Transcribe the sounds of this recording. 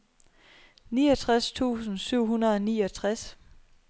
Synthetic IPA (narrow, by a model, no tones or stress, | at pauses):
niːʌt͡sʰʁast͡sʰṵːsn̩syʊ̰ɦunɐðˠɒniːɒt͡sʰʁas